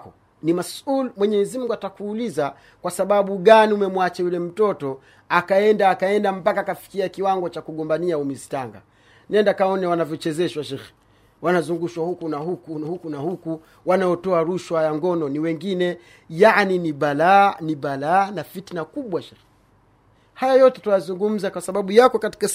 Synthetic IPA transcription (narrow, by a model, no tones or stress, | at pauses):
kɔ | nimasulmwɛɲɛzim̩ŋɡuatakuːliza | kwasaɓaɓuɡaniumɛmwat͡ʃajulɛm̩tɔtɔ | akaɛndaːkaɛndam̩pakaːkafi̥kiakiwaŋɡɔt͡ʃakuɠɔmbaniaumizi̥taŋɡa̰ | nɛndakaɔnɛwanavjɔt͡ʃɛzɛʃwaʃɛx | wanazuŋɡuʃwahukunahukuhukunahuku | wanajɔtɔaɾuʃwajaŋɡɔnɔniwɛŋɡinɛ | janiniɓalaniɓalaːnafitnakuɓwaʃɛx | hajajɔtɛtujazuŋɡum̩zakwasaɓaɓujakɔkati̥ka